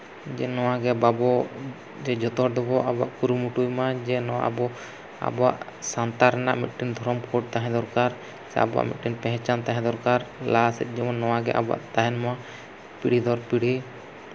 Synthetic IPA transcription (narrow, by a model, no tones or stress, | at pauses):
d͡ʒɛ̰nɔwaɡɛbabɔ | d͡ʒɛd͡ʒɔt̪ɔɾd̪ɔbɔʔaba̰ʔkuɾumuʈujmad͡ʒɛnɔwa̰ʔabɔ | a̰bɔwa̰ʔ | sant̪aɾɛna̰ʔmit̪̚ʈind̪ʱɔɾɔmkʰɔɖ̚t̪aɦɛ̃d̪ɔɾkaɾ | sɛ̰a̰bɔa̰ʔmḭt̪̚ʈinpɛ̃ɦɛ̃t͡ʃant̪aɦɛ̃d̪ɔɾkaɾlasɛ̰t̪̚ˀd͡ʒɔmɔnːɔwaɡɛ̰ʔa̰ba̰ʔt̪aɦɛnma | piɽ̤id̪ʱɔɾpiɽ̤i